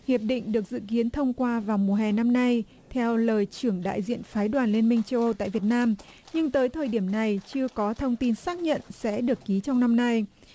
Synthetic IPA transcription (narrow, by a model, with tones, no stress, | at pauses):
hi˨˩əp̚ɗḭ̈˧˨ŋ̟ɗɨ˨˩ək̚zɨ̰˧˨ki˨˦ənt̪ʰə˧wŋ͡mkwaː˧vaː˨˩wmu˨˩əɦɛ˨˩na˧mna˧j | t̪ʰɛ˧wləː˨˩jt͡ɕɨ˧˩əŋɗa̰ː˧˨jzḭ˧˨ənfaː˨˦jɗwaː˨˩nli˧ənmï˧ŋ̟t͡ɕə˧wʔə˧wt̪a̰ː˧˨jvi˨˩ət̚naː˧m | ɲɨ˧ŋt̪əː˨˦jt̪ʰəː˨˩jɗi˧˩əmna˨˩jt͡ɕɨ˧əkɔ˨˦t̪ʰə˧wŋ͡mt̪i˧nsaː˦˥k̚ɲə̰˧˨nsɛ̰˧˥ɗɨ˨˩əkːi˨˦t͡ɕɔ˧wŋ͡mna˧mna˧j